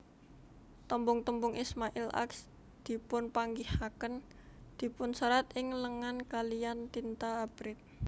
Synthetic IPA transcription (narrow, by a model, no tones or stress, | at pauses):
t̪əmbʊŋt̪əmbʊŋʔismaʔɪlʔa̰ks | d̪̥i̤pʊnpaŋɡihakən | d̪̥i̤pʊnsəɾat̪ɪŋləŋankalijant̪int̪aːb̥ɾɪt̪̚